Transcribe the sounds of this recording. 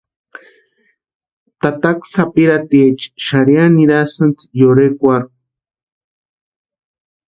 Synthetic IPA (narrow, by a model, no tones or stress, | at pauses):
t̪at̪aksapiɾat̪iet͡ʃʃaɾjaniɾasɨnt͡sjoɾekʷaɾ